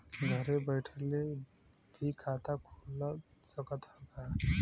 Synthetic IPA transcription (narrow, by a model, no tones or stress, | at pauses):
ɡʱʌɾebəjʈʰele | d̪ʱikʰːat̪akʰulːsʌkʌt̪ɔka